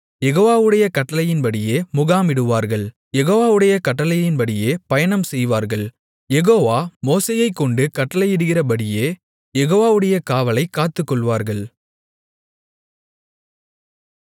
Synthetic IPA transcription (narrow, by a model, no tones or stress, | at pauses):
jɛɣoːʋaːʋɯɽɐjɐkɐʈːɐlɐjɪnpɐɽɪjeːmʊɣaːmɪɽɯʋaːɾɣɐɭ | jɛɣoːʋaːʋɯɽɐjɐkɐʈːɐlɐjjɪnpɐɽɪjeːpɐjɐɳɐmsɛjʋaːɾɣɐɭ | jɛɣoːʋaːmoːseːjɐɪkːɔɳɖɯkɐʈːɐlɐjɪɽɯɣɪrɐpɐɽɪjeː | jɛɣoːʋaːʋɯɽɐjɐkaːʋɐlɐɪkːaːt̪ːɯkːɔɭʋaːɾɣɐɭ